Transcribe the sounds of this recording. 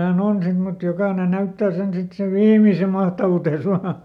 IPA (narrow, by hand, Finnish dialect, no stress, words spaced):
hæn on sit mut jokɑˑne næytːæː sen sit seʋ ʋiːmise mɑhtɑʋutes ʋɑː